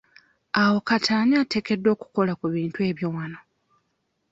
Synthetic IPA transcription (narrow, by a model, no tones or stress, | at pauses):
awo̞katʰaːɲaːte̞ke̞dːo̞ːku̥ko̞lakuβiːntwe̞ːβjowano̞